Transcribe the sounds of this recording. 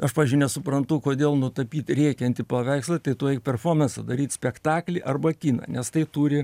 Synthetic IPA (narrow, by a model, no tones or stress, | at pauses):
ɐʃpɑːʋɪzʲd͡ʒʲʊɪnʲɛsʊpɾɐnt̪ʊkoːdʲeːlˠnʊt̪ɐpʲiːt̪ʲɾʲɛɪkʲɛɐnʲt̪ʲɪpɐʋʲæɪkslˠɐt̪ɐɪt̪uɔjɛɪk̚pʲɛrfoːrmʲɛnsɐd̪ɐɾʲiːt̪ʲsʲpʲɛkt̪ɑːklʲɪʔɐrbɐkʲiːnɐ̰nʲɛst̪ɐɪt̪uːɾʲɪ